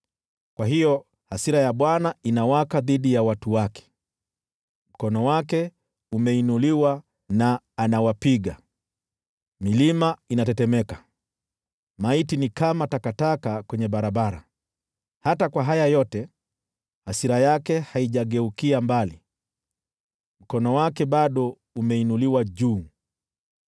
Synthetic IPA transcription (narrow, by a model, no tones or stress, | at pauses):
kwaɦijɔ | hasiɾajaɓwanainawakaðiɗijawatuwakʰɛ̥ | m̩kɔnɔwakɛ | umɛinuliwa | naː | nawapiɠa̰ | milimainatɛtɛmɛkḁ | maitinikamatakatakakwɛɲɛɓaɾaɓaɾa̰ | hatakwaɦajajɔtɛ | hasiɾajakɛhaiʄaɠɛukiambali | m̩kɔnɔwakɛɓaɗɔ | umɛinuliwaʄuː